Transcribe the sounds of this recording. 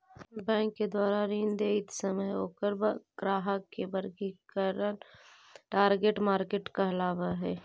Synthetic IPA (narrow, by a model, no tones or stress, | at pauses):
bɛ̃ːŋkːed̪waːɾaɾĩːnd̪eɪt̪səməjoːkəɾbɡ̥ɾaːɦəkːebəɾkikəɾən | ʈaːɾɡeʈmaːɾkeʈkɐɦlaːʋaɦɛː